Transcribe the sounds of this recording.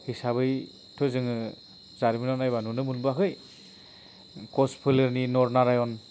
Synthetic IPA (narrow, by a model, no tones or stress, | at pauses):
hisabɯj | tʰɯzɯŋɯ | zaɾminɔnajbanunɯmulbakʰɯj | kɔspʰɯlɯɾninɔɾnaɾajɔn